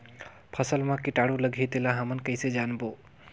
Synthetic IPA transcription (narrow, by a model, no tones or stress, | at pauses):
pʰəsəlmãkɪʈaɽuləɡʱit̪elãɦəmənkəjsed͡ʒaːnbo